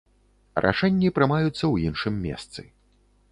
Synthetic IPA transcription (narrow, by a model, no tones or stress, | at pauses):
rʔa̰ʂɛnʲːipɾɨmajut̪sːɐwjinʂɨmːʲɛ̰st̪sɨ̰